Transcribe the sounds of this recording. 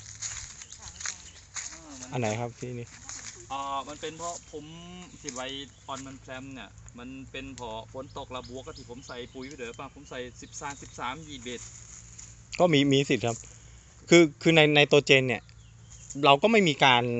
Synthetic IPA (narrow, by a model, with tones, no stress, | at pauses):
ʔa˧nːa˩˦jkʰa˦˥p̚t̪ʰiː˧˩˨niː˧˩ʔaː˧˩ma˧npe˧npʰɔ˦˥pʰo˩˦mt̪ʰiː˧˩wa˧˩jʔɔː˧nma˧npʰlɛ˧˥mni˧˩ɐma˧npe˧npʰɔː˧˩pʰo˨˩˦nt̪o˨˩k̚la˧bu˧˦ək̚ːa˧t̪ʰi˧˩pʰo˩˦msa˨˧˩jpuː˧jpʰa˧˩d̪ːpaː˧˩pʰo˩˦msa˨˩jsi˨˩p̚saː˨˦msi˨˩p̚saː˩˦mjiː˨˩be˨˩t̪̚ | kɔː˥˩miː˧miː˧si˨˩kʰa˦˥p̚ | kʰɯː˧kʰɯː˧na˧jna˧jt̪u˧t͡ɕeː˧nːi˥˩ɐ | ɾa˧wkɔː˥˩ma˥˩jmiː˧kaː˧n